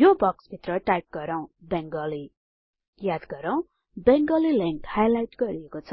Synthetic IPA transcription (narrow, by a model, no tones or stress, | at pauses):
jobʌksbʱit̪rʌʈajp̚ɡʌɾaw̃beŋɡʌli | jad̪ɡʌɾaw̃ | beŋɡʌlileŋkhajlajʈɡʌɾiekot͡sʰʌ